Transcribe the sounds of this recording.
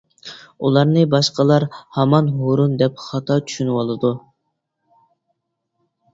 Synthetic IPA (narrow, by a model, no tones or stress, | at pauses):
ulˠɑɾnɨbɑʃqəlˠɑɾhɑmɑnɦoɾund̪ɛp̚χɑt̪ʰɑt͡ʃʰy̥ʃynɪwɑlˠɨd̪u